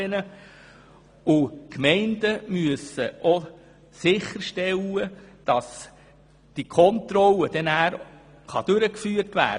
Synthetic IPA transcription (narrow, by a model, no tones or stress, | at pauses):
ɛnə | ʊkmɛɪndəmyəsəʔɔ | sɪχːəɾʃtɛləd̥ɑs | d̥ikʰɔnt̪ɾɔlːəd̥ɛnæːɾ | χɑd̥øɾəkfyːərtʋæ̰ː